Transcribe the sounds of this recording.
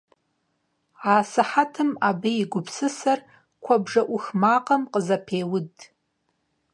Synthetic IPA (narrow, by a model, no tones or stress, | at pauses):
aːsɨħatʰɨmabeiɡʷʊpʰsɨsar | kʷʰabʐɐʔʷʊxmaːqʼamqʼəzɐpʰeːwʊdʼ